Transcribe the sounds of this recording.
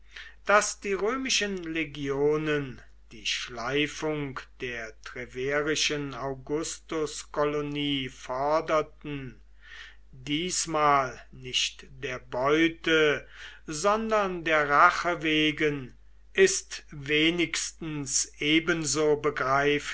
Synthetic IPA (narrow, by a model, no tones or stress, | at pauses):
d̥asd̥iːʁøːmɪʃənleɡjoːnən | d̥iːʃlaɪfʊŋkd̥eːɐtʁ̥ɛveːʁɪʃənaʊɡʊstʊskɔloniːfɔɐdɐtn̩ | diːsmaːlnɪʃtd̥eːɐbɔʏtə | zɔndɐndeːɐʁaχəveːɡən | ʔɪstveːnɪkstn̩sʔeːbənzoːbəɡʁaɪf